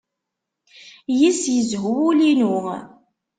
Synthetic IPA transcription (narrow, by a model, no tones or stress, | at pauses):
jisjəzɦuwulinu